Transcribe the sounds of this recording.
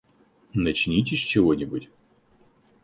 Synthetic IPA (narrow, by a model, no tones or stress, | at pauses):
nɐt͡ɕnʲitʲɪsʲt͡ɕɪvonʲɪbʊtʲ